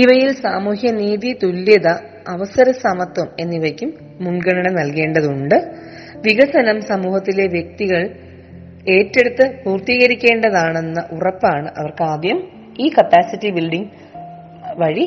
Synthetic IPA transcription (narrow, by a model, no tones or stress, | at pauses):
iʋɐjilsaːmuːhjɐniːðit̪ulːiðɐː | ʋɐsɐɾɐsɐmɐt̪wɐme̞nːiʋɐjkʲːumː | uɳɡɐɳɐɳɐnɐlke̞ːɳɖɐðuɳɖɨ | ʋiɣɐsɐnɐmsɐmuːhɐt̪ːile̞ʋjek̚t̪iɣɐɭ | e̞ːtːe̞ɽut̪ːɨpuːrt̪iːɣɐɾikʲːe̞ːɳɖɐðaːɳe̞nːɐʔurɐpːaːɳɨʔɐʋɐrkɨaːd̪jɐm | iːkɐpːaːsitːibilɖiŋ | ʋɐɻi